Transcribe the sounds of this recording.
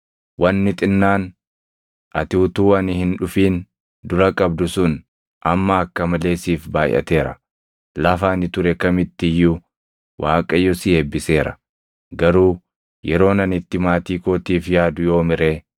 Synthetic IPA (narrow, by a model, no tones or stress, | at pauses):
wɐnːɪt̪ʼɪnːaːn | ʔɐt̪ɪʊt̪uːɐnɪhɪnᶑʊfiːn | d̪ʊɾɐkʼɐbd̪ʊsʊn | ʔɐmːɐːkːɐmɐle̞ːsiːfbaːj̰ʔɐ̰t̪e̞ːɾɐ̰ | lɐfaːnɪt̪ʊɾɛkɐmɪt̪ːɪjːʊ | wʔaːkʼɐjːɔsɪeːbːɪse̞ːɾɐ̰ | ɡɐɾuː | jɛɾo̞ːnɐnɪt̪ːɪmaːt̪iːkoːt̪iːfjaːd̪ʊjo̞ːmɪɾeː